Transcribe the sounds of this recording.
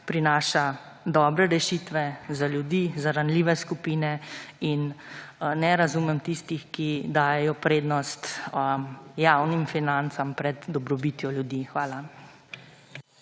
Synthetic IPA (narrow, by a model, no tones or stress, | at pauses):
pɾinaːʃa | d̪ɔːbɾɛɾɛʃit̪ʋɛzaljud̪izaɾanliːʋɛskupiːnɛin | nɛɾazumɛmt̪ist̪ixkid̪aːjɛjɔpɾeːd̪nɔst̪ | jawnimfinant̪sampɾɛd̪d̪ɔbɾɔbit̪jɔljud̪ixʋaːla